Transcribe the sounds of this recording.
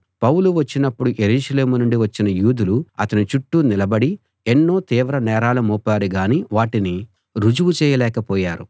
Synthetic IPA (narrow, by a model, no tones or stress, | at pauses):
pɐwuluʋɐt͡ʃːinɐpːuɽuʔeɾuːʃɐle̞ːmunuɳɖiʋɐt͡ʃːinɐjuːd̪uluɐt̪ɐnit͡ʃuʈːunilɐbɐɽi | enːo̞ːt̪iːʋɾɐnɛːɾaːlɐmuːpaːɾiɡaːniːʋaːʈini | ɾud͡ʒuʋut͡ʃɛːjɐlɛːkɐpɔːjaːɾu